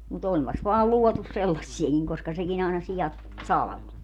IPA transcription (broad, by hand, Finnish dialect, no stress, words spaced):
mut ompɑs ʋɑːl luɔtus selːɑsːiekiŋ koskɑ sekin ɑˑenɑ sijɑt sɑlɑ̆ʋo